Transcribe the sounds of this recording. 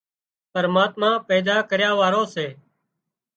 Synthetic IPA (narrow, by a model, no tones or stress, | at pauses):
pəɾmaːt̪mãːpɛːd̪aːkəɾjaːʋaːɾõːseː